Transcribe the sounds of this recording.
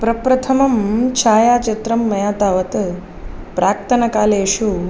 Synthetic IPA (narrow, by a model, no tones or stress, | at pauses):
pɾɐpɾɐt̪ʰɐmɐmt͡ʃʰaːjaːt͡ʃɐt̪ɾɐmːɐjaːt̪aːʋɐt̪ | pɾaːkt̪ʰɐnɐkaːleːʃu